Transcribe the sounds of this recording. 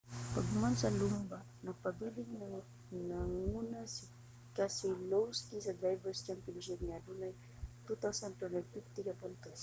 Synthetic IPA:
paɡumansalumba | napabiliŋ | naŋunasi̥ | kasiloskizad̪ɾajvəst͡ʃampiɔŋʃ̬ipnalunaj | t̪ut̪asanpanapipt̪ikʲapant̪as

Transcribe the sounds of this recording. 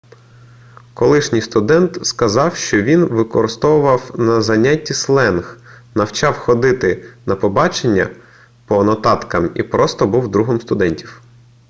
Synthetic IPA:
kɔlˠɪʃnʲijst̪ʊd̪ɛnt̪skɐzɑwʃt͡ʃɔʋʲinʋɪkɔɾɪst̪ɔwʊʋɐwnɐzɐnʲatʲːislˠɛnx | nɐwt͡ʃɑwxɔd̪ɪt̪ɪnɐpɔbɑt͡ʃenʲːɐ̰ | pɔnɔt̪ɑt̪kɐmḭpɾɔst̪ɔbuwd̪ɾuɦɔmst̪ʊd̪ɛnʲtʲiw

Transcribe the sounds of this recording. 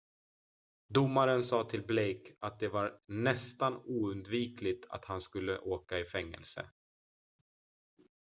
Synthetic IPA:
d̪ʊmːaɾənsɑːt̪ʰɪlblejkat̪̚d̪ɛvaɾnɛst̪anuːɵnd̪viːklɪt̪ʰa̰t̪hanskɵlːə̰ʔoːkaɪfɛŋːɛ̰lsə̰

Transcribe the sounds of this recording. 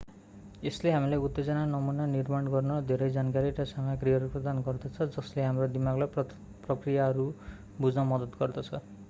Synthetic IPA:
esleɦamilajut̪ːed͡zʌnanʌmunanirmaɽɡʌrnʌd̪ʱeɾʌjd͡zankaɾiɾʌsamjakriʌɾuprʌd̪anɡʌrd̪ʌt͡sʰʌd͡zʌsleɦamrod̪imaɡlaj | prʌkrijaɦʌɾu | bud͡znʌmʌd̪ʌt̪ɡʌrd̪ʌt͡sʰʌ

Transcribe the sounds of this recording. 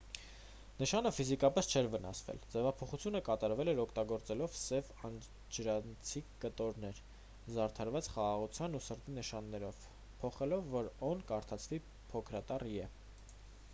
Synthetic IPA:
nəʃɑnəfizikɑpɛst͡ʃʰɛɾvənɑ̰svɛ̰ld͡zɛvɑpʰɔχut͡sʰjunəkɑt̪ɑɾvɛlɛɾɔkʰt̪ɑɡɔɾt͡sɛlɔvsɛv | ɑn | d͡ʒɾɑnt͡sʰikət̪ɔɾnɛɾ | zɑɾt̪ʰɑɾvɑt͡sχɑʁɑʁut͡sʰjɑnusəɾt̪inəʃɑnːɛɾɔv | pʰɔχɛlɔvːɔɾɔnkɑɾt̪ʰɑt͡sʰvi | pʰɔkʰɾɑt̪ɑriɛ

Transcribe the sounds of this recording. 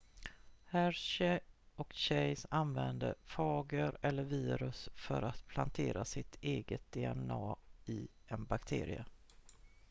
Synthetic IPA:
hæɾɕɛɔkɕɛjsanvɛnd̪əfɑːɡəɾɛlːəɾviːɾɵsfœɾat̪pʰlant̪ʰeːɾʔasɪt̪ʰeːɡət̪̚d̪ɛɛnɑːɪ | ɛnbakt̪ʰḛːɾɪə

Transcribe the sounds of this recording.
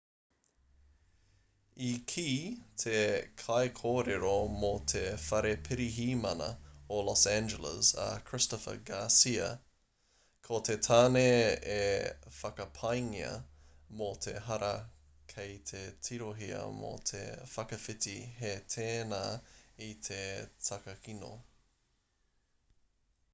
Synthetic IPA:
ikʰiːtʰekʰɐjkʰoːɾeɾomot̪ʰefɐɾepʰɪɾiɦiːmɐnɐ̰olɔsænd͡ʒələ̰zɐ̰kʰɹ̥ɪstɔfə̰ɡaːsiɐ̰ | kʰot̪ʰetʰaːneefɐkɐpʰɐjŋiə̰ | motʰḛɦɐɾɐ | kʰejt̪ʰetʰiɾoɦiɐ̰mo̰t̪ʰḛfɐkɐfɪtiɦetʰeːnaːit̪ʰetʰɐkɐkino̰

